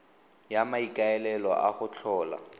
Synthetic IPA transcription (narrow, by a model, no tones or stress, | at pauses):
jamaikʼaɛlɛlɔʔaχʊt͡ɬʰɔːla̰